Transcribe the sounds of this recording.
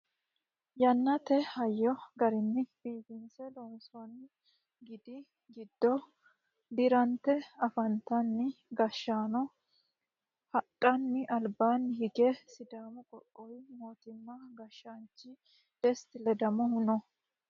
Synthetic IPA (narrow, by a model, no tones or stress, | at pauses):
jɐnːɐt̪ɛhɐjːɔɡɐɾɪnːɪb̥iːɡɪnsɛlonsɔnː | ɡɪd̪ɪ | ɡɪd̪̥ːɔ | d̪ɪɾɐnt̪ɛɐfɐnt̪ːɐnːɪɡɐʃːaːnɔ | hɐtʼːɐnːɪʔɐlbaːnːhɪɡɛsɪd̪aːmʊkʼɔkʼːɔjmo̞ːt̪ɪmːaɡɐʃːant͡ʃːɪ | d̪̥ɛst̪ɪlɛd̪ɐmɔhʊnɔ